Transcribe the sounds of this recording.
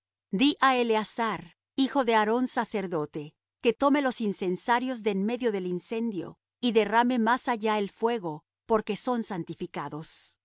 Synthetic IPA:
d̪iʔaeleasaɾ | ixo̞ðe̞aɾo̞nsase̞ɾðo̞t̪e̞ | ke̞t̪o̞me̞lo̞sinse̞nsaɾjo̞zðenme̞ðjo̞ðe̞linse̞nd̪jo̞̰ | iðe̞rame̞masaʝaelfwe̞ɣo̞ | po̞ɾke̞so̞nsant̪ifikaðo̞s

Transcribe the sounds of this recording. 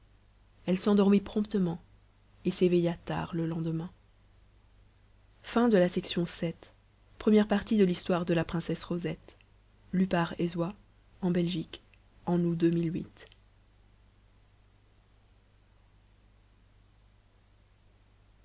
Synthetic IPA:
ɛlsɑ̃d̪ɔʁmipχɔ̃pt̪əmɑ̃ | esevejat̪a̰ʁləlɑ̃d̪əmɛ̃ | fɛ̃d̪əlasɛksjɔ̃sɛt̪ | pχəmjɛʁpaʁt̪id̪əlist̪waʁd̪əlapχɛ̃sɛsʁozɛt̪ | lypaʁezwa | ɑ̃bɛlʒik | ɑ̃nud̪ømilɥit̪

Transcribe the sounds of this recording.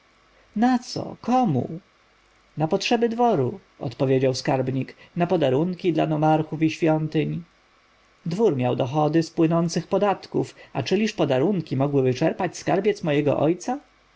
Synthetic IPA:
nat̪sɔ̰kɔmṵ | napɔtʂɛbɘd̪vɔɾu | ɔ̰t̪pɔvʲjed͡ʑawskaɾbɲiknapɔd̪aɾuŋkʲid̪la̰nɔmaɾxufiɕfʲjɔnt̪ɘɲ | d̪vuɾmʲjawd̪ɔxɔd̪ɘspwɘnɔnt̪sɘxpɔd̪at̪kufat͡ʂɘlʲiʂpɔd̪aɾuŋkʲimɔɡwɘvɘt͡ʂɛɾpat͡ɕskaɾbʲjɛt̪smɔjɛɡɔ̰ʔɔjt̪sa

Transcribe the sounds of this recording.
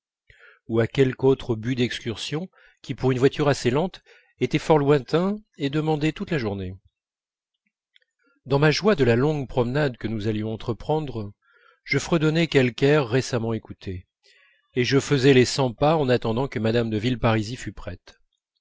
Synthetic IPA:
uakʲɛlkot̪χəbyd̪ɛkskʲyʁsjɔ̃ | kʲipuʁynvwat̪ʰyʁaselɑ̃t̪ | et̪ɛfɔʁlwɛ̃t̪ɛ̃ed̪əmɑ̃d̪ɛt̪ut̪laʒuʁne | d̪ɑ̃maʒwad̪əlalɔ̃ɡpχɔmnad̪kənuzaljɔ̃ɑ̃t̪χəpχɑ̃d̪ʁ | ʒ̥əfχɛd̪ɔnekʲɛlkɛʁːesamɑ̃ekut̪ʰe | eʒəfəzɛlesɑ̃paɑ̃nat̪ɑ̃d̪ɑ̃kəmad̪amd̪əvilpaʁizifypχɛt̪

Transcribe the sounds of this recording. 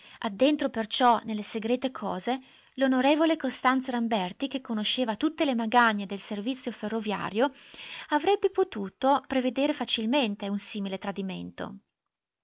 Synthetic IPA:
ad̪ːent̪ɾopert͡ʃɔnelːeseɡɾeːt̪ekʰɔːze | lonoɾeːvolekost̪ant̪saɾambɛrt̪ikekːonoʃːeːvat̪ut̪ːelemaɡaɲːed̪elservit̪sːjoferːovja̰ːɾjoavɾɛbːepot̪uːt̪opɾeved̪eːɾefat͡ʃilment̪eunsiːmilet̪ɾad̪imḛnt̪o̰

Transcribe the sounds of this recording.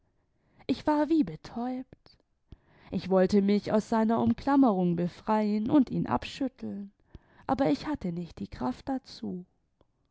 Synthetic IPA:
ʔɪçv̥aːɐviːbətʰɔʏpt | ʔɪçv̥ɔltəmɪça̰ʊsz̥aɪnɐʔʊmkʰl̥aməʁʊŋbəfʁ̥aɪənʔʊntiːnʔa̰pʃʏtʰl̩n | ʔa̰ːbɐɪçhatʰənɪçt̚d̥iːkʁ̥aft̚d̥at͡suː

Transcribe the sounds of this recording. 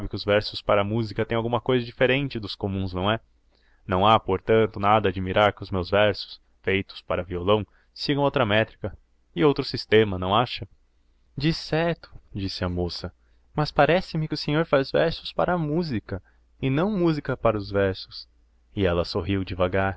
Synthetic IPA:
sabɪkɪʊzvɛɾsʊspaɾɐːmuzikɐt̪ẽj̃awɡũmɐkojzɐd͡ʒifeɾẽnt͡ʃɪd̪ʊskomũznɐ̃w̃ɛ | nɐ̃w̃apoɾt̪ɐ̃nt̪ʊnad̪ɐaːd͡ʒimiɾaɾkɪʊzmewzvɛɾsʊ̥s | fejt̪ʊ̥spaɾɐviolɐ̃w̃ | siɡɐ̃w̃owt̪ɾɐmɛt̪ɾikɐ | ɪowt̪ɾʊsist̪ẽmɐnɐ̃w̃aʃɐ | d͡ʒisɛɾt̪ʊ̥d͡ʒisɪɐmosɐ | mɐspaɾɛsɪmɪkɪʊseɲoɾfazvɛɾsʊ̥spaɾɐːmuzikɐ | ɪnɐ̃w̃muzikɐpaɾɐʊzvɛɾsʊ̥s | ɪɛlɐsoɦiwd͡ʒɪvaɡaɾ

